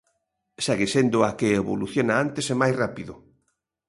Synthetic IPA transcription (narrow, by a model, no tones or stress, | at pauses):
sɛɣesend̪ʊakeːβo̰luθjonaant̪esemajsrapiðʊ